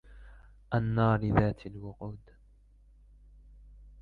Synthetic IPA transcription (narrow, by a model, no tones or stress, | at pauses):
ʔanːɑːɾɪðaːt̪ʰalwʊquːd̪